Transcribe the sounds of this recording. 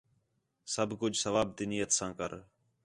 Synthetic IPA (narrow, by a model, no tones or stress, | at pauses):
səbʱkʊd͡ʒʱsəʋaːb̚d̪inijət̪sãːkə̰ɾ